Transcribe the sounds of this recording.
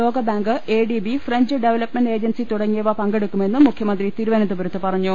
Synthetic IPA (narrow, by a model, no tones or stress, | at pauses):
o̞ːɡɐbaːŋɡɨeːɖibifreɲd͡ʑɨɖeʋɐlɐpmenɖe̞ːd͡ʑɐnsit̪uɽɐŋːijɐʋɐpɐŋɡeɽukːume̞nːɨmːukʰjɐmɐnd̪rit̪iɾuʋɐnɐnubuɾɐt̪ːɨpɐrɐɲːu